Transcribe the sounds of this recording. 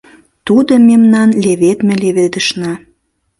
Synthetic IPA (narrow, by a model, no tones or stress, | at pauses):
t̪ud̪əmemnɑnleβet̪mĕleβed̪ə̆ʃnɑ